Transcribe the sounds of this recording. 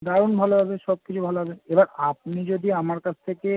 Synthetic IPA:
d̪aɾunbʱaloɦabeʃɔb̚kit͡ɕʰubʱaloɦabeebaɾap̚nid͡ʑod̪iamaɾkat͡ɕʰt̪ʰeke

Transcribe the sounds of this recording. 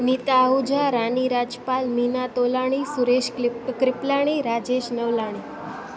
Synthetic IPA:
nit̪aɦud͡ʒaɾaniɾad͡ʒpalminat̪olaɽ̃isuɾeʃkɾɪplaɽ̃iɾad͡ʒeʃnəʋlaɽ̃i

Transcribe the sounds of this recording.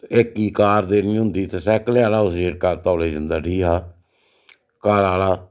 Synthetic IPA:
ekːiːkaːɾd̪eːniːɦʊ̃nd̪iːt̪eːsɛːkleaːlaːʊseːʈkaɾt̪aːʊleːd͡ʒand̪aːʈiːɦaː | kaːɾaːlaː

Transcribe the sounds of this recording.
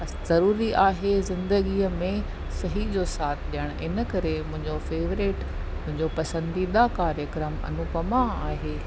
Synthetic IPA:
z̥ɐɾuːɾiʔaːɦezɪ̃nd̪əɡiəmẽ | sɐɦid͡ʑoːsaːt̪ʰɗijəɽ̃ɪnəkɐɾemʊ̃ɦɪ̃ɲd͡ʑofeːʋɾɪʈ | mʊ̃ɦɪ̃ɲd͡ʑopɐsə̃nd̪iɗ̪akaːɾjəkɾəmɐ̰nʊkɐmaaːɦeː

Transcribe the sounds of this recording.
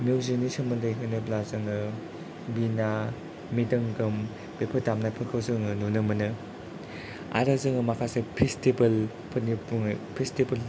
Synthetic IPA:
mizinisɐŋmɯndɯɦɯnɯblazɯŋɯ | bina | midɐŋɡɯm | b̥epʰɯtamnapʰɯkʰɯwzɯŋɯnunɯmɯnɯ | a̰ɾazɯŋɯmakʰasepʰestebɐl | pʰɯnipuŋpʰestebɐl

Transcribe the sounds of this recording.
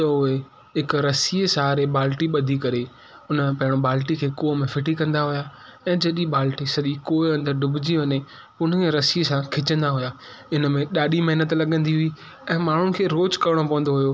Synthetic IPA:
ʊe | ɦɪkɾɐsiesaːɾeɓaːlʈiɓɐd̪ʱikɐɾe | ʊnəpɐ̃ɦɪɽ̃oɓaːlʈikʰeːkoːɦmẽfɪʈikɐ̃nd̪aɦʊja | ɛ̃ːd͡ʑɐɗiɓaːlʈisɐɗikoːiɐ̃nd̪əɾɖʱʊbʱɪd͡ʑiʋɐɲe | ʊn̤əeɾɐsiesãkʰɪt͡ɕə̃nd̪aɦʊjaː | ɪnə̆mẽɗaːɗimɐɦnət̪lɐɠə̃nd̪iɦʊi | ɛ̃ːmaːɳ̤ʊnɪ̆kʰeːɾoːt͡ʃkɐɾɪɽ̃opɐ̃ʋə̃n̆d̪oɦʊjoː

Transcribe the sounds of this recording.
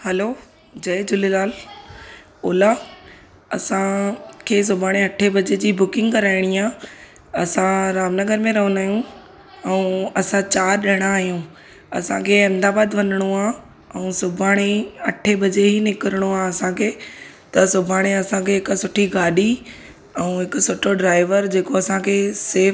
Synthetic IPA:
hɛloː | d͡ʑɐjd͡ʑʊlelaːl | oːlaː | ɐsãkʰeːs̬ʊbʱaːɽ̃ẽɐʈʰebɐd͡ʑed͡ʑiːbʊkɪ̃ŋɡkɐɾaːɪɽ̃iaː | ɐsãɾaːmnəɡəɾmẽɾɐɦnaːɦijũ | ɛ̃ũɐsãt͡ɕaːɾɗɐɽ̃aːɦijũː | ɐsãkʰeɐ̃nd̪aːbaːd̪ʋɐnəɽ̃oaː | ɛũsʊbʱaːɽ̃eɐʈʰebɐd͡ʑeɦinɪkəɾəɽ̃oaːɐsãkʰeː | t̪ɐsʊbʱaːɽ̃eɐsãkʰeɦɪksʊʈʰiɡaːɗi | ɛ̃ɦɪkʊsʊʈʰoɖɾaːɪʋəɾd͡ʑeːkoɐsãkʰeːsɪɾ

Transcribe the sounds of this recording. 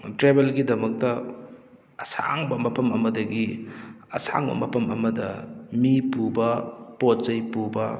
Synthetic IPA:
tɾebelɡidɐmɐk̚tɐ | ɐsa̰ŋbɐmɐpʰɐmɐmɐdɐɡi | ɐsa̰ŋbɐ̰mɐpʰɐmɐmɐdɐmipubɐpotzɐjpubɐ̰

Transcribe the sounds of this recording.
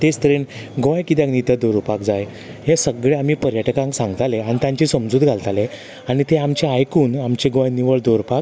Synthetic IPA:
t̪est̪ɾeɳɡɔjkit̪̬jãknit̪əd̪oɾupakd͡zaj | ɦẽsəɡɭeam̤iːpəɾjaʈkãŋksãŋɡt̪aleaɽ̃it̪jãɲt͡ɕisəmd͡zuːd̪ɡʱalt̪ale | aɽ̃it̪eamt͡ɕeajkuːnamt͡ɕeɡɔ̃jniʋəɭd̪oɾpak̚

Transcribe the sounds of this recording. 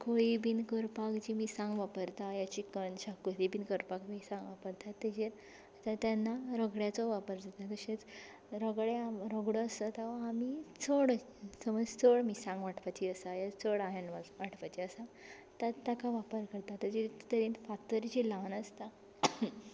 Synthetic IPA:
koɭibinkəɾpakd͡ʑimiːsãŋɡʋapəɾt̪ajat͡ɕikənɕakːut̪ibinkəɾpakmiːsãŋɡʋapəɾt̪at̪ːed͡ʑeɾ | t̪at̪janːaɾəɡɽjat͡sɔʋapəɾd͡zat̪ak̪əɕẽt͡s | ɾəɡɭeamɾəɡɽəəsat̪aʋaːmit͡sʰoɽ | səməd͡zt͡sʰoɽmiːsãŋɡʋaʈʰʋat͡ɕiəsajat͡soɽaɦanʋaʋaʈʰʋat͡ɕiəsa | t̪at̪ːakaʋapəɾkəɾt̪at̪ːəd͡ʑit̪əɾĩnfat̪ːəɾt͡ɕilanəst̪a

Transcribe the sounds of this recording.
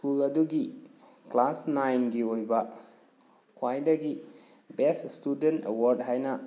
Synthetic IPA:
skulɐduɡi | klasnajnɡiojbɐ | kʰwajdɐɡi | beststudentḛwaɾdɦajnɐ

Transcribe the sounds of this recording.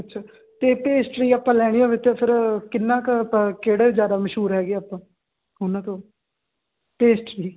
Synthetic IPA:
ətːʃʰaː | t̪eːpeːsʈɾiːaːpːãːlɛːɽ̃ijãːʋɪt̪ːepʰɪɾkɪnːãːkːkeːɽeːɪzjaːd̪aːməʃɦuːɾɦɛːɡiːaːpːãː | ɦoːnãːt̪oː | peːsʈɾiː

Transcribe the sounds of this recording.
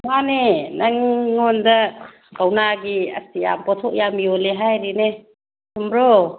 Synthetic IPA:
manenaŋːondɐ | ɡawnaɡiɐ̰stija̰mpɔtʰɔk̚jamijoleɦajɾine | sʰumɾo

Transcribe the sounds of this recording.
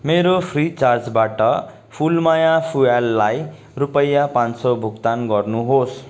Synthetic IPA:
meɾopʰrit͡sard͡zbaʈʌ | pʰulmajapʰualːaj | rupʌjːapãnsʌbʱukt̪anɡʌrnuɦos

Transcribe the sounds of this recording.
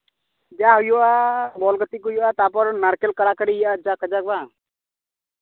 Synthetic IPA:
d͡ʒaɦujuabɔlɡət̪ikujoat̪apɔɾnaɾkelkəɾakəɾijad͡ʒakʰəd͡ʒak̚bã

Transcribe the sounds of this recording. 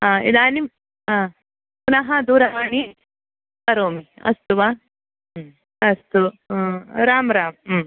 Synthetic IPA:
ɦãːḭd̪aːni | ã | punɐɦɐd̪uɾamaːni | kɐɾoːmiɐ̰st̪uʋa | ɐst̪u | ɾaːmɾaːmː

